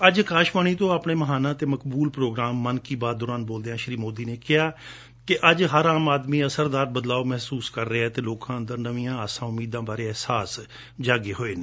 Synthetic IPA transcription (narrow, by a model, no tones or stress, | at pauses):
əd͡ʒkaːʃmaːɳ̃iːt̪õːaːpɳeːməɦaːnãːt̪eːməkbuːlpɾoːɡɾaːmːənkiːbaːd̪d̪oːɾaːnboːld̪eːãːʃɾiːmoːd̪iːneːkɪɦaː | kɪʔəd͡ʒɦəɾaːmaːd̪mĩːəsəɾd̪aːɾbəd̪laːoːmɛɦsuːskəɾːeɛːt̪eːloːkãːənd̪əɾnəʋĩːãːəsãːʊmiːd̪ãːbaːɾeːɛɦsaːs | d͡ʒaːɡeːɦoːeːnẽː